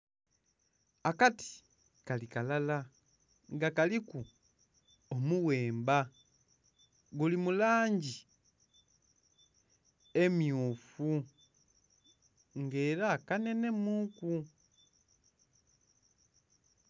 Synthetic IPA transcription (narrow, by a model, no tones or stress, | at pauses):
akati̥ | kalikalala | ŋɡakaliku | omuweːmba | ɡulimulaːɲɟi | e̞mjufu | ŋɡe̞ːɾakane̞ne̞muku